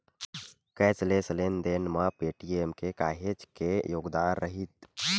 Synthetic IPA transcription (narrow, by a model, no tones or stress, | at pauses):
kɛːt͡ʃlesəleːnd̪eːnmapeːʈiːemkekaːɦed͡ʒkejoːɡd̪aːnɾəɦit̪̚